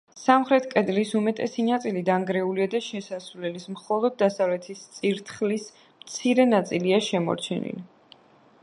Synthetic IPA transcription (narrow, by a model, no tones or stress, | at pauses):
samχɾɛt̪ʰkʼɛd̪lisumɛt̪ʼɛsinat̪sʼilid̪aŋɡɾɛuliad̪aʃɛsasvlɛlismχɔlˠɔd̪̚ːasavlɛt̪ʰist̪sʼiɾt̪ʰχlis | mt̪sʰiɾɛnat̪sʼiliaʃɛmɔ̰ɾt͡ʃʰɛnḭli